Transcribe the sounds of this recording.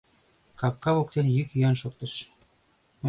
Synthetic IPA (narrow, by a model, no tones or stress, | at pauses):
kɑp̚kɑβok̚t̪enjykyænʃok̚t̪ə̆ʃ